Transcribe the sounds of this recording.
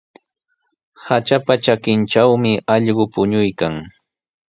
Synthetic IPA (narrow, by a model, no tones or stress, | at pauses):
hat͡ʃapat͡ʃakɪnt͡ʃawmɪʔɑʎɢʊpʊɲʊjkaŋ